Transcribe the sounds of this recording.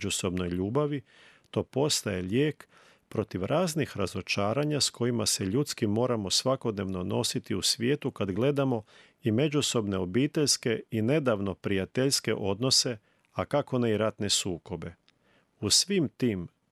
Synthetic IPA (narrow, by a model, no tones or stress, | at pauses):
d͡ʒuso̞bno̞jʎuːbaʋi | t̪o̞ːpo̞st̪ajeʎeːk | pɾo̞t̪iʋɾʔaːznixɾazo̞t͡ʃaːɾaɲaskʰo̞jimase̞ʎut̪skimːo̞ːɾamo̞sʋako̞d̪ne̞ʋno̞no̞sit̪iusʋjeːt̪ukad̪ɡle̞d̪amo̞ | ime̞d͡ʒuso̞bne̞o̞biːt̪e̞ʎske̞ine̞d̪aːʋno̞pɾijat̪eʎske̞̰ʔo̞d̪no̞se̞ | akako̞neiɾat̪ne̞suːko̞be̞ | usʋimt̪iːm